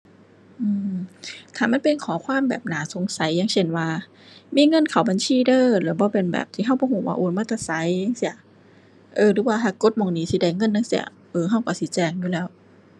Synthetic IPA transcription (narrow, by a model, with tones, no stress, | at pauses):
ʔɯː˧˩mt̪ʰaː˨˩ma˧˥˨npe˧˨nkʰɔː˨˦kʰwaː˧˥˨mbɛ̰ː˨˩p̚naː˨˦so˨˦ŋsa˨˦jːa˧˥˨ŋse˧˩nwaː˧ | miː˧˥˨ŋɤ˧˥˨nkʰa˨˩wba˨nsʰiː˧˥˨dɤː˧˩lɯː˨˦ɐ˦bɔː˧˦pe˧nbɛ̰ː˨˩p̚t̪ʰiː˧˦ɦa˧˩wbɔː˧˦ɦoː˧˨˩wa̰ː˧ʔoː˧˩nmaː˧˩t̪ʰa˧˩sa˨˦jːa˧˥ŋsi˧˩ɐ˨˩ | ʔɤː˧dɯː˨˦waː˧ɦaː˧˩ko˧˥t̪̚mɔː˧˩ŋniː˦˥si˧˦da˧˩jŋɤ˧˥˨nːa˧˥˨ŋsi˧˥ɐ̰˨˩ | ʔɤː˧ɦa˧˥˩wkɔ˧˩siː˧˦t͡ɕɛː˧˩ŋjuː˧˦lɛː˦˥˩w